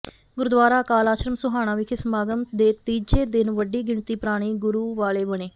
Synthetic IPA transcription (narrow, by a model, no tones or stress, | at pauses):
ɡʊɾʊd̪ʋaːɾaːkaːlaːʃɾəmsʊɦaːɽ̃ãːʋikʰɪsəmaːɡəmd̪eːt̪iːd͡ʒeːd̪ɪnʋəɖiːɡɪɳt̪iːpɾaːɽ̃iːɡʊɾuːʋaːleːbəɽ̃eː